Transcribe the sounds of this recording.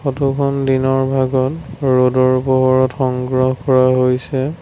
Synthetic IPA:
xɔtukʰɔndinɔɹbʱaɡɔtɹodɔɹpɔɦɔɹɔtxɔŋɡɹɔɦkɔɹaɦojsɛ

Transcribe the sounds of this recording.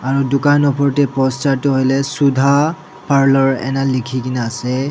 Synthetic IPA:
aɹudʊkanɔpʰɔɹtɛpɔstatʊɦojlɛsudʱa | pʰaɹlɔɹɛ̰nalikʰikinaasɛ

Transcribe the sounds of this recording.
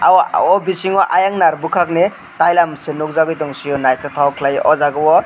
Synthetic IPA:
awɔbisiŋɔʔajaŋnaɾbukʰak̚ne | tajlamsɯnuk̚zaɡɯjtɔŋsijɔnajsɔtʰawkʰlajʔɔzaɡɯwɔ

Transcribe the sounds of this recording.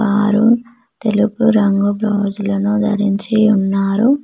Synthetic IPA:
aːɾu | t̪e̞lupuɾɐŋɡubloːd͡ʒulɐnud̪ʱɐ̰ɾiɲt͡ʃiunːaːɾu

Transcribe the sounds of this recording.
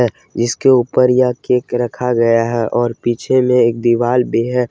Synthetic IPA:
ɛ | d͡ʒɪskeuːpəɾjakeːkɾɐkʰaɡɐjaɦɛʔɔːɾpiːt͡ʃʰemẽeːk̚d̪iʋaːlbeɦɛ

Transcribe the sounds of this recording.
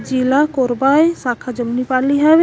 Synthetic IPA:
d͡ʒilakoɾbajsaːkʰad͡ʒəmnipaliɦab

